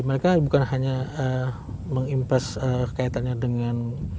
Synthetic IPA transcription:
məɾekabukanhaɲaə | məŋimpasəəkait̪anɲadəŋan

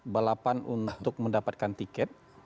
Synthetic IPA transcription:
bəlapanunt̪ʊk̚məndapat̪̚kant̪ikɛt̪̚

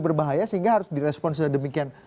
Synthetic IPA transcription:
bərbaɦajasəɦiŋɡaɦaɾʊsdiɾɛspɔnsəladəmikian

